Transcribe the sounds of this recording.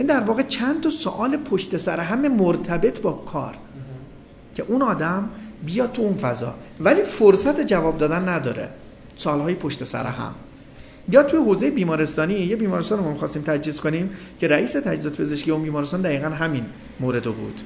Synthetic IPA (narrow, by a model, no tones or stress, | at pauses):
jænid̪æɾvɒːɣe̞t͡ʃʰænt̪ʰɒso̰ʔɒːlepʰoʃt̪e̞sæɾeɦæme̞moɾt̪ʰæbe̞t̪ʰbɒːkʰɒ̰ːɾ | cʰe̞ʔunɒːd̪æmbijɒːt̪ʰːuunfæzɒ̰ːvæliːfoɾsæt̪ʰe̞d͡ʒævɒːbd̪ɒːd̪ænːæd̪ɒ̰ːɾḛ | soːlɦɒːjepʰoʃt̪e̞sæ̰ɾḛhæ̰m | jɒːt̪ʰujeɦoːze̞jebiːmɒːɾest̪ɒːniːjebiːmɒːɾest̪ɒːnɾomɒːmixɒst̪iːmt̪ʰæd͡ʒiːzkoniːm | cʰe̞ɾæʔiːse̞t̪ʰæd͡ʒizɒːt̪epʰe̞ze̞ʃkiːeuːnbiːmɒːɾest̪ɑnd̪æiːɣænɦæmin | moːɾe̞d̪obṵːd̪̥